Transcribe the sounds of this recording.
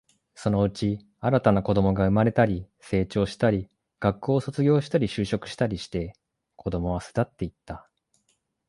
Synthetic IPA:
so̞no̞ɯ̟t͡ɕi | aɾat̪anako̞d̪o̞mo̞ɡaɯ̟maɾe̞t̪aɾʲi | se̞ːt͡ɕo̞ːɕi̥t̪aɾʲi | ɡ̥akːo̞ːso̞t͡sɨɡʲo̞ːɕi̥t̪aɾʲiɕɨːɕo̞kɯ̟ɕi̥t̪aɾʲiɕi̥t̪e̞ | kʰo̞d̪o̞mo̞βasɨ̥d̪at̪ːe̞it̪ːa

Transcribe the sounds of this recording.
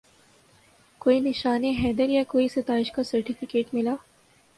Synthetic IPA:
koːinɪʃaːneɦɛːd̪əɾjakoːisɐt̪aːɪʃkasɐɾʈifɪkeːʈmɪlaː

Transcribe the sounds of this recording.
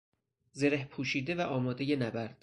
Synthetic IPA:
zeɾehpʰuːʃiːd̪evæʔɒːmɒːd̪ejenæbæɾd̪̥

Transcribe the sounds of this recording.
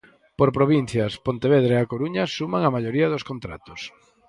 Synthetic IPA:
poɾpɾoβin̟θjɐspont̪eβeðɾeakoɾuɲɐsumaŋamaʎoɾiɐðoskont̪ɾa̰t̪ʊ̥s

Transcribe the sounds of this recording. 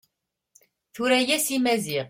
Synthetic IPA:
θuɾæjæsimæziʁ

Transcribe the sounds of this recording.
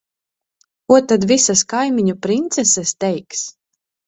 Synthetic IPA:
kuɔt̪ad̪visaskajmiɲupɾint̪sɛsɛst̪ɛjks

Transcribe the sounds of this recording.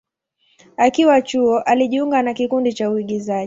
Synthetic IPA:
akiwat͡ʃuɔʔaliʄiuŋɡanakikundit͡ʃauiɠizaʄi

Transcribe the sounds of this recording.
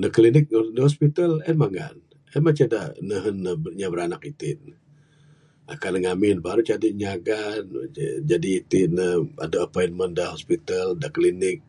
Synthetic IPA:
dəklinɪk̚dəhɔspit̪əlɛnmaŋa̰n | ɛnmat͡ʃadanəɦənːəbəɲabəɾanak̚it̪ɪn | a̰kanəŋamɪnbaɾut͡ʃadiɲaɡand͡ʒadiːt̪ɪnəa̰daəpojinməndəhɔspit̪əldaʔklinɪk̚

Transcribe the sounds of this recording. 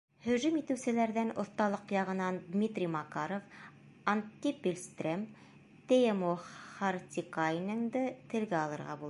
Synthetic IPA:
hɵ̆ʒɵmit̪ɘ̆wsɘ̆læɾðænŏ̰θt̪ɑlˠɤqjɑʁɤ̆nɑnd̪mʲit̪rʲimɑqɑɾof | ant̪ʲːipʲelʲst̪rem | t̪ʲeemoχart̪ʲikajnɤŋd̪ɤt̪ɘ̆lɡæɑlˠɤ̆ɾʁɑ̰bulˠ

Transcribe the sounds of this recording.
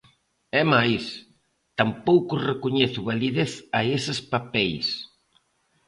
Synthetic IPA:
ɛmajs | t̪ampowkʊrekuɲeθʊβaliðeθaesɪspapɛjs

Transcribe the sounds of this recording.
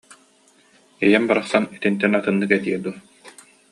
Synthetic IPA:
ijɛmbaɾaχsanit̪int̪ɛnat̪ɯnːɯkɛt̪iɛd̪u

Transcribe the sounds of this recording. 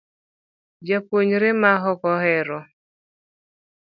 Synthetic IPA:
d͡ʒapwoɲɾɪmaɦɔkɔɦɛɾɔ

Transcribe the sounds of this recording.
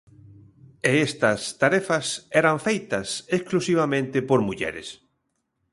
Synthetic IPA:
eest̪ɐst̪aɾɛfɐsɛɾaɱfejt̪ɐseksklusiβ̞amẽnt̪epoɾmuʎɛ̰ɾḛs

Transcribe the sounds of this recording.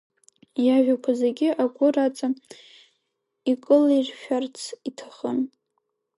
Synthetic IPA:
jaʒʷᶣakʷʰazeɡʲɪʔaɡʷʊrat͡sʼa | ikʼɨlirʃᶣart͡sʰitʰaχən

